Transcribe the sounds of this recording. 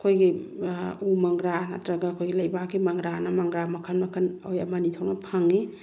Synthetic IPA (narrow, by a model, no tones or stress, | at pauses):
kʰojɡi | umaŋɡɾana̰tɾaɡaːkʰojɡilajbakʰimaŋɡɾanamaŋɡɾamakʰanmakʰano̰jamanitʰawnapʰaŋi